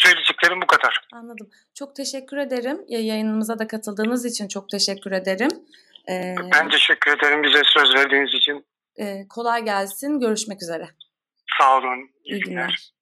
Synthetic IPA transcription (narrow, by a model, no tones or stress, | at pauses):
søjlʲed͡ʒɛc̚lʲeɾimbukʰad̪aɾ̥anlˠad̪ɯm | t͡ʃʰo̞k̚t̪ʰe̞ʃɛcʲːyɾe̞d̪e̞ɾimjɛjajɯnɯmɯzad̪akʰat̪ʰɯlˠd̪ɯːnɯzit͡ʃʰint͡ʃʰo̞k̚t̪ʰe̞ʃɛcʰʲːyɾe̞d̪eɾim | ɛːbænt̪ʰe̞ʃɛcːyɾe̞d̪eɾimbizɛsø̞zvæɾd̪iːnizit͡ʃʰin | ɛːkʰo̞lˠajɟælʲsinɟø̞ɾyʃmɛcyze̞ɾɛ | savlˠɯn | iiɡʲinlʲːæɾ̥